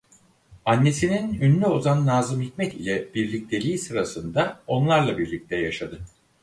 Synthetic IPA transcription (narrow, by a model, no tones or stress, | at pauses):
anːe̞sininynlʲyo̞zanːaːzɯmhicmɛt̪ilʲɛbiɾlʲic̚t̪ʰe̞lʲiːsɯɾasɯnd̪ao̞nlˠaɾlˠabiɾlʲic̚t̪ʰɛjaʃad̪ɯ